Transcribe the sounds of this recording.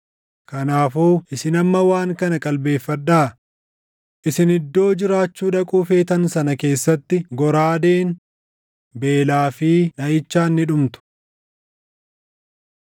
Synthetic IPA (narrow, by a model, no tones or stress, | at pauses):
kɐnaːfuːʔɪsɪnɐmːɐwaːŋkɐnɐkʼɐlbe̞ːfːɐd̪ːaː | ʔɪsɪnɪd̪ːo̞ːd͡ʒɪɾaːt͡ʃːuːᶑɐkʼuːfe̞ːt̪ɐnsɐnɐke̞ːsːɐt̪ːɪɡɔɾaːd̪e̞ːn | be̞ːlaːfɪːᶑɐjɪt͡ʃːaːnːɪᶑʊmt̪ʊ̥